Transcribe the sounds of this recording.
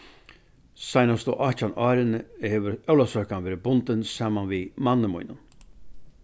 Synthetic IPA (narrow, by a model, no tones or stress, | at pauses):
sajnast̪ɔ̰ʔɑcanɑːɾɪnəhɛːʋəɾœwlasœkanʋeːɾəbʊnt̪ənsɑːmanʋimanːəmṵjnən